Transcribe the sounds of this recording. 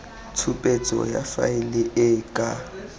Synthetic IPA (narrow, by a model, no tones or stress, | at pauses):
t͡sʰupʼet͡sʼɔ̰ja̰fa̰ɪlɪʔɪkʼa